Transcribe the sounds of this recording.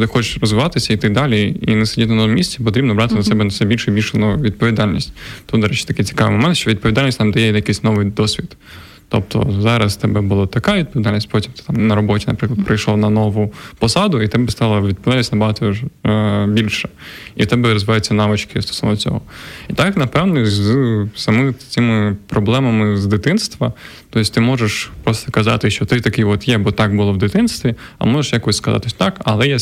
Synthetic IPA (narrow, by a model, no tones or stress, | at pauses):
t̪ɪxɔt͡ʃɪ̥ʃrɔzʋɪʋɑt̪ɪsʲɐit̪ɪd̪ɑlʲiinɛsɪdʲit̪ʲnɐnɔmʲisʲt͡sʲɛp̬ɔt̪ɾʲibnɔbɾɑt̪ɪnɐsɛbɛnɐsɛbʲilʲʃʊibʲilʲʃnɔʋʲid̪̚pɔʋʲid̪ɑlʲnʲisʲtʲt̪ud̪ɐɾɛt͡ʃɪ̥t̪ɐkɪjt͡sʲɪ̥kɑʋɪ̰mɔmɛnt̪ʃt͡ʃɔʋʲid̪̚pɔʋʲid̪ɑlʲnʲisʲtʲt̪amd̪ɐjɛjɐkɪsʲnɔʋɪjd̪ɔsʲʋʲid̪ | t̪ɔ̰p̚t̪ɔ̰zɑɾɐst̪ɛbɛbʊlˠat̪ɐkaʋid̪pɔid̪alʲnʲisʲtʲpɔtʲimt̪ɪ̥t̪ɑmnɐɾɔbɔtʲinɐ̰pɾɪklˠd̪pɾʔɐjʃlˠɔnɐnɔʋʊpɔsɑd̪ʊit̪ɛbɛst̪ɑlˠɐʋʲid̪̚plˠɛlʲisʲnɐbɐɦɑt̪ɔɔʒbʲilʲʃɛ̥ | it̪ɛbɛɾɔzʋɪʋɑjt͡sʲːɐnɑʋɪt͡ʃkɪst̪ɔ̥sɔnɔt͡sʲɔ̰ɦɔit̪ɑknɐpɛwnɔzsɐmɪt͡sʲɪmɪpɾɔblˠɛmɐmɪzd̪ɪt̪ɪnst̪ʋɐ | t̪ɔɪsʲt̪ɪmɔʒeʃpɾɔst̪ɔkɐzɑ̰t̪ɪʃt͡ʃɔt̪ɪt̪ɐkɪʋɔt̪jɛbɔt̪ɑkbʊlˠɔʋd̪ɪt̪ɪnst̪ʋʲiɐ̰mɔʒeʂjakɔsʲskɐzɑ̰t̪sʲt̪ɑkɐlˠɛja